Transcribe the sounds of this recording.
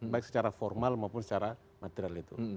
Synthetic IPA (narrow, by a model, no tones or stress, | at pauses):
baiksə̥t͡ʃaɾafɔrmalmaupʊnsət͡ʃaɾa | mat̪ɛɾialit̪u